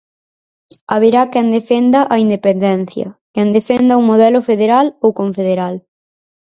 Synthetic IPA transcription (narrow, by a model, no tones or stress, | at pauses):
aβeɾakɛnd̪efend̪ɐʔɐind̪epend̪ɛn̟θjɐ̰kɛnd̪efɛnd̪ɐuŋmoðɛlʊfeðeɾalowkoɱfeðeɾal